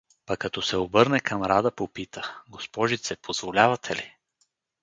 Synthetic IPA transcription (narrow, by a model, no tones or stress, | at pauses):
pɐkːɐt̪ɔsɛobɤɾnɛkʰɐmɾad̪əpopit̪ʰəɡospɔʒit̪sɛpʰozvolʲavɐt̪ʰɛli